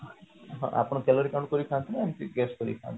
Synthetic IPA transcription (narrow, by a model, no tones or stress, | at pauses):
ɦɔ̰̃ʔa̰pɔɽ̃ɔkelɔɾikaw̃ɳɖkɔɾikʰant̪ʰinaamt̪iɡɛskɔɾḭkʰã̰nt̪